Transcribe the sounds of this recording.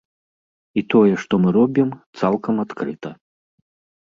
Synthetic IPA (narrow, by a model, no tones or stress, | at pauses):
it̪ɔjɛʂt̪ɔmɨɾɔbʲimt̪salˠkɐmat̪kɾɨt̪ɐ